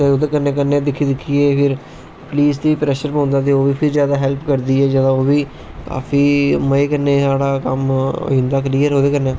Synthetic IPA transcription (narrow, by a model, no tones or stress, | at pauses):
t̪eːoːd̪eːkənːeːkənːẽːd̪ɪkʰːiːd̪ɪkʰːiːeːpʰɪɾ | pliːst̪iːpɾɛːʃəɾpõːnd̪aːt̪̬eːoːʋiːpʰɪɾd͡ʒjaːd̪aːɦɛːlpkəɾd̪iːɛːd͡ʒaːd̪ãːoːʋiː | ka̰ːfʰiːməeːkənːeːsaːɽaːkə̰mo̰ɪ̃nd̪aːk̬əliːəɾɦoːd̪eːkənːeː